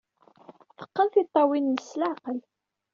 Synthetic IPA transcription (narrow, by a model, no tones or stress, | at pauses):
fə̥qːənθit̪ˤːɑwinːəslaqəl